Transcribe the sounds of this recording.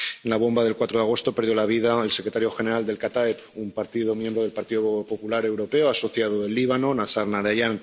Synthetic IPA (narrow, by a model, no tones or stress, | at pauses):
enlaβ̞o̞mbaðe̞lkwat̪ɾoðaɣ̞o̞st̪o̞peɾð̞jo̞laβ̞iðaelse̞kɾe̞t̪aɾjoxe̞ne̞ɾald̪e̞lkat̪aepumpaɾt̪iðo̞mjẽ̞mbɾo̞ð̞e̞lpaɾt̪iðopo̞pulaɾe̞wɾo̞pe̞oaso̞θjaðoðe̞lːiβ̞ano̞nasaɾnaɾajan